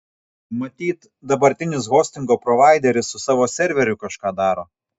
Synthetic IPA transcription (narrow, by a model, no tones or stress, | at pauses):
mɐt̪ʲiːt̪ | d̪ɐbɐɾʲt̪ʲɪnʲɪs̬ɣoːsʲt̪ʲɪŋɡoːpɾɔʋɑˑɪd̪ʲɛɾʲɪsːʊsɑːʋoːsʲɛɾʲʋʲɛɾʲʊkɐʃkɑːd̪ɑːɾoː